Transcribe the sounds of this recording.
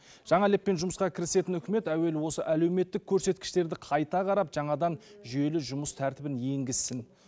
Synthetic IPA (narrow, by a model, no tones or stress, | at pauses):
ʒ̥ɑɴɑlepːe̞nʒʊməsqɑkʲʰɪɾɪse̞t̪ɪnʏkʲɪme̞t̪æwe̞lwo̞səʔæle̞wme̞t̪ːɪkʲʰːɵɾse̞t̪kʲɪ̥ʃt̪e̞ɾd̪ɪqʰɑjt̪ɑqɑɾɑpʒ̥ɑɴɑd̪ɑnʒʏje̞lɪʒʊməst̪ʰæɾt̪ɪbɪnje̞ŋɡʲɪzːɪn